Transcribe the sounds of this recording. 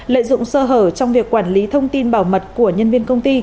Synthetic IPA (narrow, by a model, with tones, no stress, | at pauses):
lə̰ː˧˨zʊ̰˧˨ŋ͡msəː˧ɦəː˧˩t͡ɕɔ˧wŋ͡mvi˨˩əkːwaː˧˩nli˨˦t̪ʰə˧wŋ͡mt̪i˧nɓaː˧˩wmə˨˩t̚ku˧˩əɲə˧nvi˧ənkə˧wŋ͡mt̪i˧